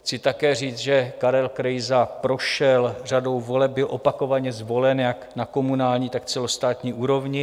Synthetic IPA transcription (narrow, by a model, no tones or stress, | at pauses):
xt͡sɪt̪akɛːr̝iːt͡sʒɛkaɾɛlkɾɛjzapɾo̞ʃɛlr̝ado̞wvo̞lɛp̚bɪlʔo̞pako̞vaɲɛzvo̞lɛnjaknako̞munaːlɲiːt̪akt͡sɛlost̪aːt̪ɲiːʔuːɾo̞vɲɪ